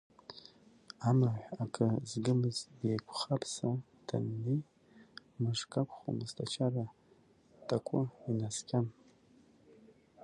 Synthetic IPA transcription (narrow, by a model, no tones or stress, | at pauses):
amaʕʷakʼʰɨzɡɨmɨzejkʷʰχapʰsa | d̥a̰nːej | mɨʐkʼakʷʰʼχo̰mɨstʰat͡ʃʰara | tʰʼakʷʰʼʊinaskʲʰʼam